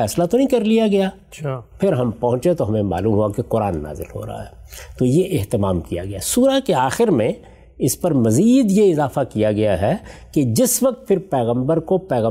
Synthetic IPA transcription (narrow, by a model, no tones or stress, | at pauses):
ɛːslat̪onɐɦĩkɐɾlijaɡɐjaː | pʰɪɾɦɐmpɐɦʊ̃t͡ʃet̪oɦɐmẽma̰ːluːmɦuakeqʊɾa̰ːnːa̰ːzɪ̰lɦo̰ːɾa̰ɦa̰ɦɛːt̪ojeʔeɦt̪ɪmaːmkija̰ɡɐjasuːɾakeaːxɪɾmẽ | ɪspɐɾmɐziːd̪jeɪzaːfakijaɡɐjaɦɛked͡ʒɪsʋɐk̚t̪̚fʰɪɾpɛːɣə̃mbəɾkopɛːɣə̃